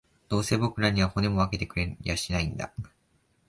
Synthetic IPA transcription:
d̪̥o̞ːse̞ːbo̞kɯ̟naɲ̟iβaho̞ne̞mo̞βake̞t̪e̞kɯ̟ɾe̞iaɕinaĩnd̪a̰

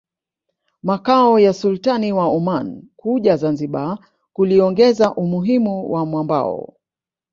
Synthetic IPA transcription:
makaɔjasultaniwaumankuʄazanziɓa | kuliɔŋɡɛzaʔumuɦimuwʔamwamba̰ɔ̰

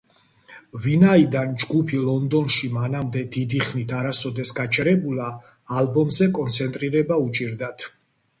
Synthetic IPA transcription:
vinaid̪and͡ʒɡupʰilˠɔnd̪ɔnʃimanamd̪ɛd̪id̪iχnit̪ʰaɾasɔd̪ɛsɡat͡ʃʰɛɾɛbulˠaː | lbɔmzɛkʼɔnt̪sʰɛnt̪ʼɾiɾɛbaut͡ʃʼiɾd̪at̪ʰ

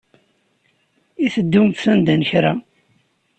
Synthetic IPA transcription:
iθəd̪ːumt̪θænd̪ænəçɾa

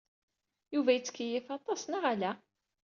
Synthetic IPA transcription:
juvæjət͡sːə̥kːijɪθɑt̪ˤɑsnaʁælæ

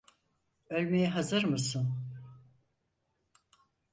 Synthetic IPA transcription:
ø̞lʲmejɛɦazɯɾmɯsɯn

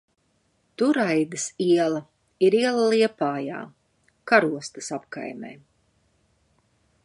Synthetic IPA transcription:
t̪uɾajd̪ɨsiɛlˠɐ | iɾiɛlˠalˠiɛpaːja̰ː | kaɾuɔst̪ɨsapka̰jmḛː

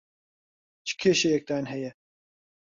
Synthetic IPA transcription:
t͡ʃʰɨ̥kʰeːʃejɛk̚d̪aːnɦɛjɛ

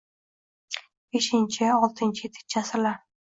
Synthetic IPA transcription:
b̥e̞ʃɪnt͡ʃʰɪɒlˠt̪ʰɪnt͡ʃʰɪjet̪ʰɪ̥k̚t͡ʃʰasɪla

